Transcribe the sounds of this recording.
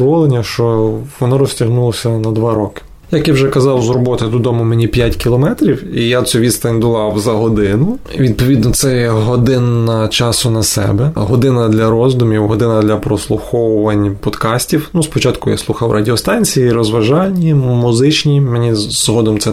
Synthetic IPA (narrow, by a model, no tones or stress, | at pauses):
ɔʋɔlˠenʲːɐʃt͡ʃɔʋɔnɔɾɔsʲtʲɐɦnulˠɔsʲɐnɐd̪ʋɑɾɔkɪ̥ | jɐkjawʒɛkɐzɑwzrɔbɔt̪ɪd̪ʊd̪ɔmʊmenʲipʲjatʲkʲilˠɔmɛt̪ɾʲiwijasuʋʲist̪ɐnʲd̪ʊlˠɑwzɐɦɔd̪ɪnʊʋʲid̪̚pɔʋʲid̪̚nɔt̪sɛjɛɦɔd̪ɪnːɐt͡ʃɑsʊnɐsɛ̰bɛɦɔd̪ɪnɐd̪lʲɐɾɔzd̪ʊmʲiwɦɔd̪ɪnɐd̪lʲɐpɾɔslˠʊxɔwʊʋɐnʲpɔd̪kɑsʲtʲiwnuspɔt͡ʃɑt̪kʊja̰slˠuxɐwrʔɐ̰dʲiɔst̪ɑnʲt͡sʲijiɾɔzʋɐʒɑnʲːimʊzɪt͡ʃnʲimenʲizɦɔd̪ɔmt̪sɛ